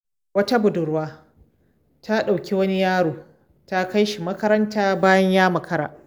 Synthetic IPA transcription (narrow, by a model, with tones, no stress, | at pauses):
wɐ˦ta˦bʊ˨dʊ˨ɾwaː˦ | tʰa˦ɗa˨wkʲi˦wɐ˦ni˦jaː˦ɽoː˨ | ta˦ka˦jʃi˨mɐ˦kɐ˦ɾɐ˦ntaː˦baː˦jɐ˦ɲjaː˦mɐ˨kɐ˦ɾa̰ː˨